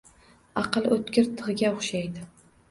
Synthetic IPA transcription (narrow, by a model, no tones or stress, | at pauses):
ɑqɨlˠɵt̪kʲɪɾt̪ʰɨʁɨɡʲaoχʃajd̪ɪ